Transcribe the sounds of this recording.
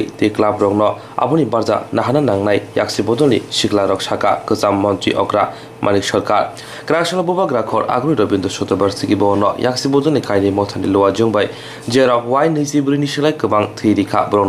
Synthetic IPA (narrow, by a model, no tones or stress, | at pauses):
jteklabɾɔknɔ | a̰bunibaɾza̰naɦananaŋnajja̰k̚sibɔdɔlnḭsiklaɾɔk̚sakakɯzamːɔntɾḭʔɔkɾa | mʔanik̚sɔɾkaɾ | kɾak̚sɔlabubaɡɾakʰɔɾa̰ɡɾujɾɔbindɔsɔtɔbaɾsiɡibɔnɔjaksibɔdɔlnikajnimɔtʰanilɔwad͡ʒɯŋbaj | d͡ʒeɾɔkwajnɯsibuɾinisɯlajkɯbaŋtʰiɾikʰa̰bɾɔŋnɔ